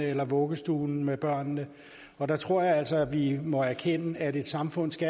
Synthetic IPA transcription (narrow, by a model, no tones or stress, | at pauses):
əelɐʋɔ̽ːɡ̥əsd̥uːn̩meb̥ɶɐ̰nːə | ɒ̽d̥ɑ̈t͡sʰʁo̝ɐ̰jɑ̈æl̰sɒ̽ʋimɒ̽æɐkʰenəæɾe̝d̥sɑ̈mfɔ̽n̰sɡ̥æ